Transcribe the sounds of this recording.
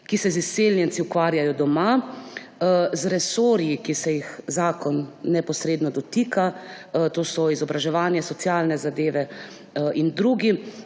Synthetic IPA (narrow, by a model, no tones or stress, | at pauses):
kisɛziseːljɛnt̪siukʋaːɾjajɔd̪ɔma | zɾɛsoːɾjikisɛjixzaːkɔnːɛpɔsɾeːd̪nɔd̪ɔt̪iːka | t̪oːsɔizɔbɾaʒɛʋaːnjɛsɔt̪sjaːlnɛzad̪eːʋɛ | ind̪ɾuːɡi